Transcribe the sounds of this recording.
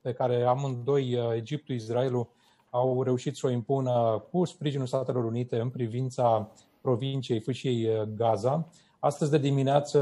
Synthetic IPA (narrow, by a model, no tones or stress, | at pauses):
pe̞kaɾe̞amɨnd̪o̞je̞d͡ʒip̚t̪uisɾaelu | awɾe̞uʃit̪so̞impunkuspɾiʒinulst̪at̪e̞lo̞ɾunit̪e̞ɨnpɾivint̪sa | pɾo̞vint͡ʃijejfɨt͡ʃije̞jɡaza | ast̪əzʲd̪e̞d̪imineat̪sə